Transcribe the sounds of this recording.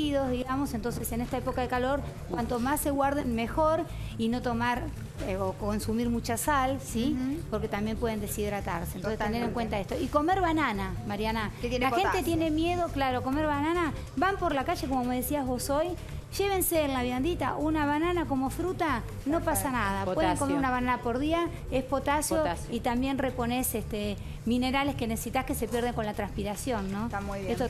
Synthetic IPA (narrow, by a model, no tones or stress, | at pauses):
iðo̞zðiɣamo̞sent̪o̞nse̞se̞nest̪aepo̞kaðekalo̞ɾ | kwant̪o̞masːe̞ɣwaɾðenmexoɾ | ino̞t̪o̞maɾ | okonsumiɾmut͡ʃasalsipo̞ɾke̞t̪ambje̞mpweðe̞nd̪esiðɾat̪aɾsenoset̪eneɾeŋkwe̞nt̪aest̪o̞iko̞me̞ɾβanana | maɾjanaelaxe̞nt̪et̪jene̞mje̞ðo̞klaɾoakomeɾβanana | βampo̞ɾlakaʒe̞k̬o̞momeðesiazβo̞soj | ʒ̥e̞β̞e̞nseːlaβjand̪it̪a̰ʔunaβananako̞mo̞fɾut̪a | no̞pasanaðapweðeŋkomeɾunaβananapo̞ɾðia | e̞spo̞t̪asjoit̪ambje̞nrepo̞ne̞sest̪e | mĩne̞ɾale̞skenese̥sit̪ahke̞se̞pjeɾð̞eŋko̞nlat̪ɾanspiɾasjo̞nːõ̞et̪o